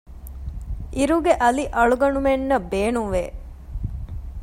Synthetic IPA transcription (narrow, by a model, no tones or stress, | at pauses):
ʔiɾuɡeʔɐliʔɐɭuɡɐnumenːɐbeːnuŋʋeː